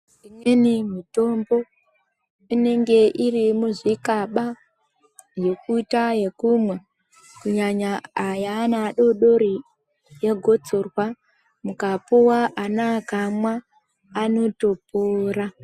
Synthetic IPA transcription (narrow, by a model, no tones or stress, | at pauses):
imwe̞nimito̞mbo̞ | ine̞ŋɡe̞ʔirimuzikaɓa | je̞kuitaje̞kumwe | kuɲaɲaːjanaɗo̞ɗo̞ɾi | je̞ɡʱo̞t͡so̞rwa | mukapuwaʔanakamwaː | no̞topoːra